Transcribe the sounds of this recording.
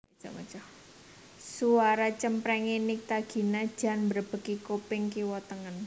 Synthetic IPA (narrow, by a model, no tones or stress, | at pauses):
d͡ʒ̥ɔ̰mə̰t͡ʃɔh | suwaɾat͡ʃəmpɾɛŋinik̚t̪aɡ̥i̤nad̥ʒ̥ä̤nbərb̥ə̤kikopɪŋkiwɔt̪əŋən